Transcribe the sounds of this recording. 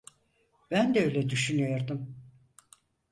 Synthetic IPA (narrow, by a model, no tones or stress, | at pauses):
b̥ænd̪ɛøjlʲɛd̪yʃynyjo̞ɾd̪um